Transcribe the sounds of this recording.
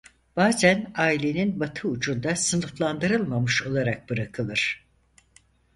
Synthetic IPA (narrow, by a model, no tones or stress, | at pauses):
b̥aːzænaːilʲe̞ninbat̪ʰɯut͡ʃʰund̪asɯnɯflˠand̪ɯɾɯlˠmamɯʃo̞lˠaɾak̚b̥ɯɾakʰɯlˠɯɾ̥